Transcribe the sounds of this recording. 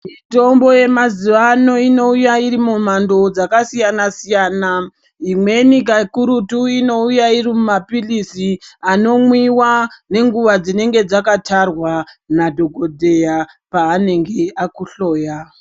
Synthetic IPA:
mito̞mbo̞je̞maziʋano̞ino̞ujaiɾimumando̞d͡zakasijanasijaːna | imwe̞nikakuɾutuino̞ujairimumapilisiano̞mwiwane̞ŋɡuʋad͡zine̞ŋɡe̞d͡zakatarwanadʱo̞ɡʱo̞dʱe̞ja | paːne̞ŋɡe̞akuɬo̞ːja

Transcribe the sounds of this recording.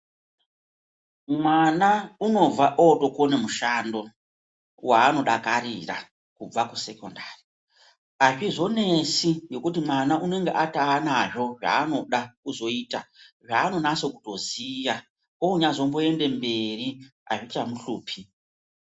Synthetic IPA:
mwanauno̞b͡vaʔoto̞konemuʃando̞ | wʔaːno̞ɗakaɾira̰ | kub͡vakuse̞kondari | aʐizo̞ne̞sijo̞kut̬imwanaʔune̞ŋɡe̞ʔataanaʐo̞ʐa̰ːno̞ɗakuzo̞iːtaʐaːno̞naso̞ku̥to̞zija | ouɲazo̞mbo̞e̞nde̞mbe̞ri | a̰ʐit͡ʃamuɬuːpʰi

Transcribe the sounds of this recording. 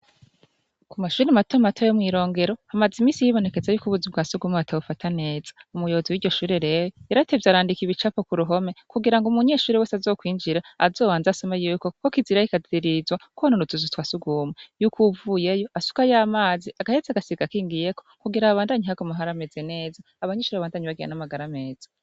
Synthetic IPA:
kumaʃuːɾematomatojomŋiːɾo̞ːŋɡe̞ɾo̞hamazimiːsijiβo̞ne̞ke̞zajuːkuβuzubɡaːsuɡumeatʰaβufatʰane̞ːzḁumujooziwiːɾɟo̞ʃuːɾeɾe̞ːwojeɾate̞vjaɾaːndikiβit͡ʃapokuɾuɦo̞me̞kuɡiɾaŋɡumuɲe̞ːʃuːɾeweːsazo̞ːkwiːnd͡ʒiɾa̰ːzo̞ːβaːnzaso̞majuːko̞kokiziɾajikaziɾizwakwononuzuzutwasuɡumejukuvuje̞jo̞asu̥kajaːmaːziaɡahezaɡasiɡakiːŋɡije̞ko̞kuɡiɾaβaːndaɲiɦaɡomaɦaɾameze̞ne̞ːzaːβaɲeːʃuːɾeaβaːndaɲiβaɡija̰namaɡaɾame̞ːz̥ḁ

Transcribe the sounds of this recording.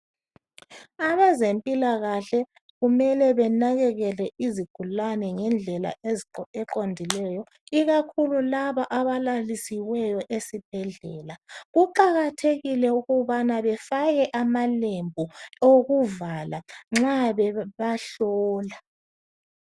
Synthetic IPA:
aβazempʼilaɣaɬɛ | ɣumɛlɛβɛnaɣɛɣɛlɛʔiziɡ̥ʱulanɛŋɛnd͡ɮʱɛla̰eɛǃondʱilɛjɔ | iɣakʰululaβaʔaβalalisiwɛjɔʔesib̥ʱɛɮɛːlaɣuǃaɣatʰeɣilɛuɣuβanaβɛfaɣɛʔamalembʱuoɣuvalaŋ͡ǁaβɛβaɬɔːla

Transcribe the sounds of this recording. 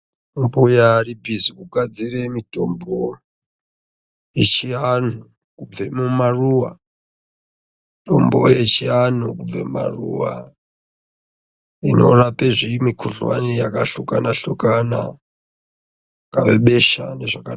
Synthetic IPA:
mbujaribʱizikuɡʱad͡ziremito̞mbo | et͡ʃian̤u | kub͡vemumaruwa | ito̞̰mbojet͡ʃian̤ukub͡vḛma̰rṵwa̰ | ino̞̰rapeʐimikʰuɮwa̰nijakaɬukanaɬukana̰ | kaʋeɓe̞ʃa̰ne̞ʐaka

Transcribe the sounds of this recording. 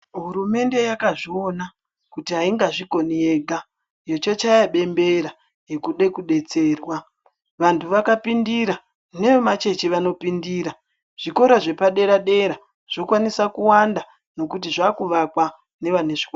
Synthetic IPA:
ɦuɾume̞nde̞jakaʐio̞na | kutiɦaiŋɡaʐiko̞nieɡʱa | jo̞t͡ʃot͡ʃajaɓe̞mbe̞ɾa | jekuɗe̞kuɗe̞t͡se̞ːrwa | ʋantʰuʋakapindiɾa | ne̞ʋemat͡ʃe̞t͡ʃiʋano̞pindiɾa | ʐ̥iko̞ɾoʐe̞paɗe̞ɾaɗe̞ɾa | ʐ̥o̞kwanisakuwanda | no̞kutiʐakuʋakwa | ne̞ʋan̤eʐikwa

